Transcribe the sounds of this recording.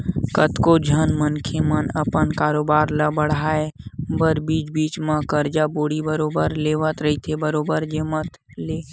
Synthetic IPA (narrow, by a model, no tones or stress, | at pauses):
kət̪kod͡ʒʱənmənkʰemənəpənkaːɾoːbaːɾləbəɽ̤aːebəɾbiːt͡ʃbiːt͡ʃmãkəɾd͡ʒaboːɽibəɾoːbəɾleːʋət̪ɾəɦit̪ʰebəɾoːbəɾd͡ʒemət̪ | leː